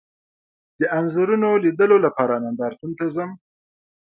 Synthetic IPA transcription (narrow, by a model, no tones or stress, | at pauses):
d̪əʔanzaɾunolid̪əlolapɑɾanand̪ɑɾt̪unt̪azəm